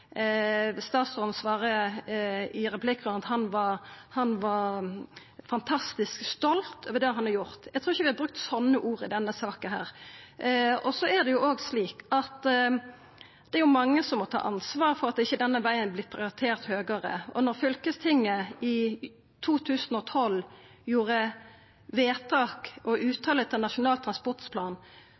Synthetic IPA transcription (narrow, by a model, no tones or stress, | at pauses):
st̪ɑːt̪sɔnsʋɑːʁə | ɪɾɛpʰlɪkːʁʉənɑt̪hɑnʋɑhɑnʋɑ | fɑnt̪ʰɑst̪ɪskst̪ɔlt̪oʋəd̪ɛhɑnɑɾjʊʁt̪jæt̪ʰɾuːɪçəʋɪhɑbɾʉk̚t̪sɔnːəʔuːʁɪd̪ɛnːəsɑːkənɦæ̰ːʁ | ɔsɔæʁd̪ɛjʊʔoːɡsliːkɑt̪ | d̪̥ɛæɾjʊmɑŋːəsɔmɔt̪ʰɑ̰ːʔɑnsʋɑːɾfɔɾɑt̪̚ɛɪçːəd̪ɛnːəʋæɪənblɪpʰɾɪʊɾɪt̪ʰeːɾt̪høːɡəɾə̰ɔ̰nɔɾfʏlkəst̪ʰɪŋːəɪ | t̪ʰuːt̪ʰʉːsənɔt̪ʰɔl | juːɾə | ʋeːt̪ʰɑːkɔʔʉːt̪ʰɑːlət̪ʰɪlnɑʃʊnɑːlt̪ʰɾɑnspɔʁʈ̪spʰlɑːn